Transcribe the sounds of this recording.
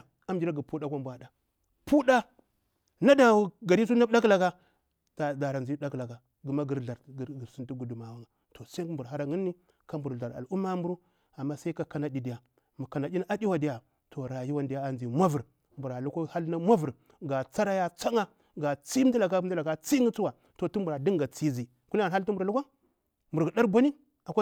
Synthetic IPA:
a˦md͡ʒi˦ɾa˦ɡi˨pu˦ɗa˦kʷa˦m˦bʷa˨da˨ | pu˦ɗa˦ | na˦da˨˦ɡa˨ɾi˦s̬u˦na˦ɗa˦kla˨ka˦˨ | da˨ɾa˨nd͡ʒi˦da˦kla˨ka˨ | ɡu˨ma˦ɡi˨ɾɮa˨ɾɡsi˦nti˦ɡu˨du˨ma˨wa˦ŋa˨ | to˨sa˦mbu˨ɾa˦ɾa˦ŋi˦nːi˦ | ka˦mbu˨ɾɮa˨ɾa̰˨lu˦mːa˦mbu˦ɾu˦ | a˨mːa˦sa˦i˦ka˦ka˦na˨ɗi˨di˨ja˨ | mu˨ka˨na˨ɗʲi˦na˦a˦di˦wa˦di˦ja˨ | to˨ɾa˨ji˦wa˦ndi˨ja˦a˨nd͡ʒi˨mʷa˦vu˨ɾ | mbu˨ɾa˨lu˦kʷo˦ha˦lna˦mʷa˦vu˨ɾ | ɡa˨t͡sa˦ɾa˦ja˦t͡sa˦ŋa˦ | ɡa˨t͡si˦m˦di˦la˨ɡa˦di˦la˨ka˦t͡si˦ŋi˦t͡su˦wa˨ | to˨tu˦mbu˨ɾa˨di˦ŋɡa˨t͡si˦zi˨ | ku˦n˦a˨ɦa˦lt̬u˦mbu˨ɾa˨lu˦kʷa˦ | mbu˨ɾi˨da˦ɾbʷa˦ni˦ | a˨kʷa˦

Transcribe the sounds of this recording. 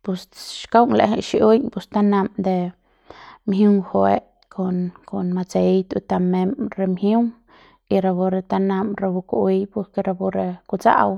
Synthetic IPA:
pu˧sʃka˦wŋlḛ˧ɦe˧ʃi˧u˦ɲpu˧st̪a˦na˧md̪e˧ | mɦu˦ŋxo˧e˦ʔ | kʰo˧nko˧nma˧t͡se˧jt̪ṵ˧t̪a˧me˧mɾe˧mhju˦ŋ | i˧ɾa˧bu˧ɾe˧t̪a˧na˧mɾe˧bu˧ku˧ʔi˧jpu˧ɾke˧ɾa˧bu˧ɾe˧ku˧t͡sa̰˦˧w

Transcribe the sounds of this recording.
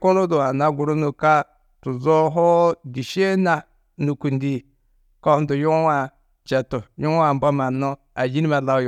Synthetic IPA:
ko˦lo˦du˨a˨na˦ɡu˨ɾu˦nu˨ka˦ | tu˨zo˦ɦo˦di˨ʃe˦na˨ | nu˨ku˨ndi˦˨ | ko˦du˨ju˦wa˨ | t͡ʃe˨tu˨ju˦ŋ˦a˨m˨ba˦ma˨no˦ | a˨d͡ʒi˦ni˦ma˨la˦j

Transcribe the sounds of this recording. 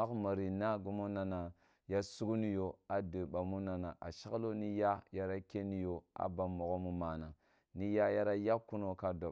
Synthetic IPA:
a˦kma˨ɾi˨na˦ɡu˦mo˦na˨na˨ | ja˦su˦ɡu˦ni˦jo˨a˨də˨ɓa˨mu˦na˨na˨ʔa̰˨ʃa˦klo˦ni˦ja˦ja˦ɾa˦ke˦ni˦jo˨a̰˨ba˨mo˨ɡo˦mu˦ma˨na˨ | ni˦ja˦ja˦ɾa˦ja˦kːu˦no˨ka˦do˨

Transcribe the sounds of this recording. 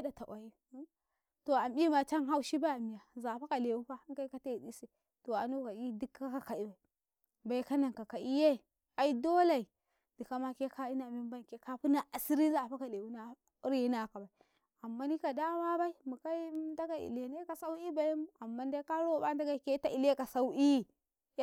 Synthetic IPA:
e˦da˨ta˨wa˨ji˦ | to˨a˨mbi˦ma˨t͡ʃa˦nɦa˦u˦ʃi˦ba˦a˨mi˨ja˨za˨pa˦ka˨le˨wu˦ɸa˦ŋ˦ka˦i˦ka˦ta˦i˨ɗi˦se˨ | to˨a˨nu˦ka˨i˦di˦ka˦ka˨ka˨i˦ba˨i˨ | ba˨i˦ka˦na˨ŋka˨ka˨i˦je˦˨ | a˨i˦do˦la˨i˨ | di˨ka˦ma˦ke˦ka˦i˦na˨mi˦m˦ba˦˨ke˦ka˦pu˦na˨a˨si˦ɾi˦za˨pa˦ka˨le˨wu˦na˦ | ɾji˦na˦˨ka˨ba˨i˨ | a˨mːa˦ni˦ka˨da˦ma˦ba˦i˦mu˨ka˦i˦da˦ɡa˦ḭ˨le˨ne˦ka˨sa˦u˦i˦ba˨ja˦mu˦a˨mːa˦n˦da˦ka˦ɾo˦ba˦n˦da˦ɡa˦˨ke˦ta˦˨i˨le˦ka˨sa˦u˦i˦˨˦

